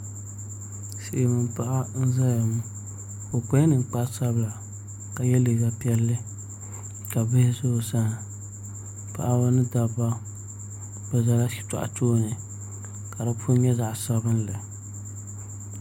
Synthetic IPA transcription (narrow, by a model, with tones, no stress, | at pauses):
sɪ˨ʔɪ˨mɨ˨m˨pa˦ʔa˦n̩˦za˦ja˨m˦ | fo˨kɛ˦nɨ˨ŋ͡m̩˨k͡pa˦sa˦bla˨ | ka˨jɛ˦li˨ɡa˦pi˦ɛ˦lːɨ˦ | ka˨bɪ˦hɪ˦sʊ˦˨sa˦ŋ˨ | pa̰˦˨ʔa˦ba˦nɨ˦da˨ba˦ | bɨ˨za˨la˦ʃi̥˦ta̰˨ʔa̰˨toː˦nɨ˨ | ka˨da˦pʰʊ˦ɲɛ˦za˨ʔsa˦bɨ˦n˦lɨ˨